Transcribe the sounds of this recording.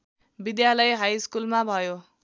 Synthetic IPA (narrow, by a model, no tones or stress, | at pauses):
bid̪jalʌjɦajskulmabʱʌjo